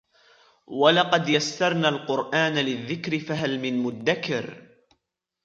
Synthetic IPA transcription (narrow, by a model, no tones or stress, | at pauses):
walɑqɑd̪jasːɑɾˤnaːlqʊɾʔaːnalɪðːɪkɾɪfaɦalmɪnmʊd̪ːakɪɾ